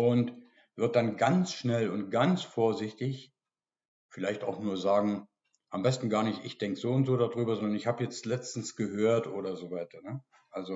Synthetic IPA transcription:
ʔʊnt | v̥ɪɐt̚d̥anɡant͡sʃnɛlʊnt̚ɡ̥ant͡sfoːɐzɪçtɪç | fɪlaɪçtaʊxnuːɐzaːɡŋ̩ | ʔambɛstn̩ɡaːɐnɪçtʔɪçd̥ɛŋkəz̥oːʊntz̥oːɾadʁyːbɐzɔndɐnɪçhaːbəjɛt͡stlɛt͡stn̩sɡ̥əɦøːɐtʔoːɾɐzoːvaɪtɐnə | ʔalzo

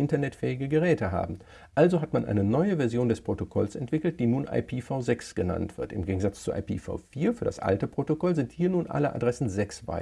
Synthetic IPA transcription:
ʔɪntɐnɛtfɛːɪɡəɡəʁ̞ɛːtəɦa̰ːbm̩ | ʔalzoɦatmanʔa̰ɪnənɔʏəvɛɐzjoːndɛspʁ̥otokʰɔlsʔɛ̰ntv̥ɪkl̩t̚d̥iːnuːnʔa̰ɪpʰiːfaʊzɛksɡ̥əna̰ntv̥ɪɐtɪmɡeːɡŋ̩zat͡st͡suʔa̰ɪpʰḭːfa̰ʊfiːɐfyːɐda̰sʔa̰ltəpʁ̥otokɔlzɪnthiːɐnuːnʔa̰ləʔa̰dʁɛsn̩zɛksv̥a̰ɪ

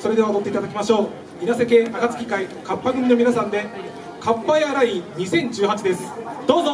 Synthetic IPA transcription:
so̞ɾe̞d̪e̞βaod̪o̞t̪ːeit̪ad̪akʲimaɕo̞ː | inase̞k̬e̞ʔaɡat͡sɨ̥kʲi̥kaikapːaɡɯ̟mʲino̞mʲinasãnd̪e̞ | kʰapːaeaɾaiɲ̟isẽ̞ɲ̟d͡ʑɨːɦat͡ɕid̪e̞sɨ̥d̪̥o̞ːzo

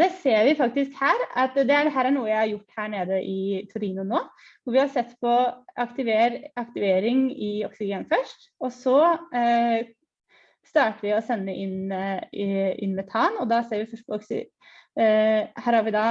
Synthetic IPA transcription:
d̪ɛseːɾʋɪfɑk̚t̪ɪskhæːɾɑt̪d̪ɛɖɛɦæːɾæɳuːəjæɪhɑɾjʊʈːhæːɳeːd̪əʔɪt̪ʰʉɾiːnʊnoː | ʋɔɾʋɪhɑɾsɛt̪ːpʰɔʔɑkt̪ɪʋeːɾɑkt̪ɪʋeːɾɪŋɪɔksɪɡeːnfœʂʈ | ɔsɔ | st̪ɑːʈəʋɪɔsɛnːəʔɪn | ɪ̰nːmɛt̪ʰɑːnɔd̪ɑseːɾʋɪfœʂʈpʰɔɔksɪ̰ | hæːɾhɑɾʋɪd̪ɑ

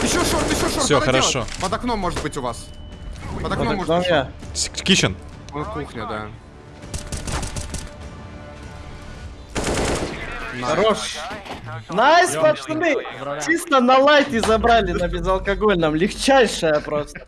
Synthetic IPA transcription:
ɪɕːoʂoɪɕːoʂsʲoxəɾɐʂopəd̪ɐknomːoʐɨt̪̚bɨtʲʊvas | pəd̪ɐpɐd̪ɐnomjakʲiɕɪn | kuxnʲɪd̪a | ɐɾoʂ | naspɐsnɨt͡ʃist̪ənɐlˠajt̪ʲɪzɐbɾalʲɪnɐbʲɪzɐlˠkɐɡolʲnɐmlʲɪxt͡ɕæjʂəjəpɾost̪ə

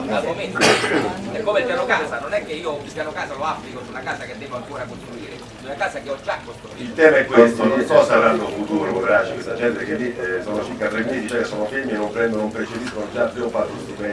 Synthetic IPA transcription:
alomen | ɛkːomelpjanokaːsanonɛkːeiːoilpjanokaːsaloapːlikosunakaːsaked̪ːɛːvoaŋkoːɾakost̪ɾuiːɾe | unakaːsakeɔd͡ʒakːost̪ɾuiilt̪ɛːmaɛkːwwest̪okɔːsaɾanːofut̪uːɾokovɾat͡ʃːekwest̪ad͡ʒɛnt̪ekelːisɔːnot͡ʃiɾkat̪ɾemːiːt̪it͡ʃoɛkːesːɔːnofemːienːompɾɛnd̪onoumpɾet͡ʃep̪iːskonod͡ʒaːpːɾiːmopat̪ːost̪ipɛ

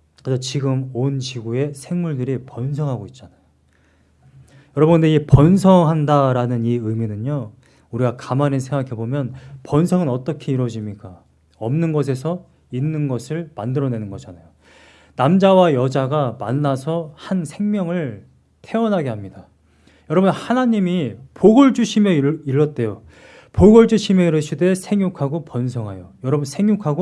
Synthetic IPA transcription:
kɯsʰʌt͡ɕiɡɯmont͡ɕiɡue̞sʰe̞ŋmuɭdɯɾipʌns̬ʰʌŋɦaɡoit̚t͡ɕ͈anajo | jʌɾʌbʌnndeipʌnsʰʌŋɦandaɾanɯniɯminɯɲo | uɾiɡakamanensʰe̞ŋɡakʰe̞bomjʌnpʌnsʰʌŋɯnʌt͈ʌkʰe̞iɾwʌd͡ʑimɲik͈a | ʌmnɯnɡʌs̬ʰe̞sʰʌ | inːɯnɡʌsʰɯɭmandɯɾʌne̞nɯnɡʌd͡ʑanajo | namd͡ʑawajʌd͡ʑaɡamanːasʰʌhansʰeŋmjʌŋɯɭ | tʰe̞ʌnɦaɡe̞ɦamɲida | jʌɾʌbɯnhanaɲimipoɡʌɭd͡ʑuɕʰimjʌiɾːʌt̚t͈e̞jo | poɡʌɭd͡ʑuɕʰimjʌiɾɯɕʰidesʰe̞ŋjukʰaɡopʌns̬ʰʌŋɦajojʌɾʌbɯnsʰeŋjukʰaɡo

